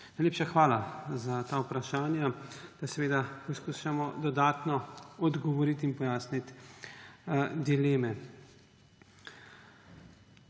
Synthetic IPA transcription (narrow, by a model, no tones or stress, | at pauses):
najleːpʃaxʋaːlazat̪aːupɾaʃaːnjad̪̥asɛʋeːd̪apɔskuʃamɔd̪ɔd̪aːt̪nɔɔd̪ɡɔʋɔɾit̪inpɔjaːsnit̪ | d̪ileːmɛ